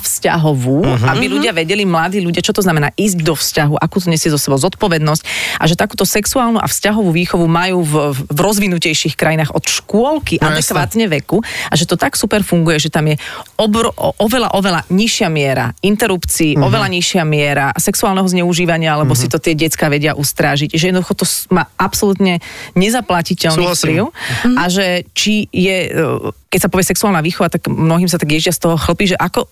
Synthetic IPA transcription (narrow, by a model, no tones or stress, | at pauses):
fsca̰ɦɔʋuːabiluɟɪaʋɛɟɛlimlad̪iːʎuɟɪat͡ʃɔt̪ɔznamɛna̰ːʔiːzɟd̪ɔfscaɦuʔakuːt̪ɔɲɛsɪɛzɔsɛbɔʊzɔt̪pɔʋɛd̪nɔscʔa̰ʒɛt̪akuːt̪ɔsɛksuaːlnuʔa̰fscaɦɔʋuʋiːxɔʋumajuːvvɾɔzʋinucɛjʃixkɾajinaːɣɔt̪ʃkwʊɔlkiʔad̪ɛkʋaːt̪ɲɛʋɛkuaʒɛt̪ɔt̪aksupɛɾfuŋɡujɛʒɛt̪amjɛɔbɾɔʔɔʋɛlaʔɔʋɛlaɲiʃɪamɪɛɾa̰int̪ɛɾupt͡siːʔɔʋɛlaɲiʃɪamɪɛɾasɛksuaːlnɛɦɔzɲɛuʒiːʋaɲɪaalɛbɔsit̪ɔt̪ɪɛɟɛt͡skaːʋɛɟɪaʔust̪ɾaːʒicʒɛjɛd̪nɔd̪uxɔt̪ɔsmaːapsɔlut̪ɲɛɲɛzaplacicɛlnipliʊaʒɛt͡ʃijɛ | kɛc̚sapɔʋɪɛsɛksuaːlnaʋiːxɔʋat̪aɡmnɔɦiːmsat̪aɡjɛʒɪast̪ɔɦɔxl̩piːʒɛʔakɔ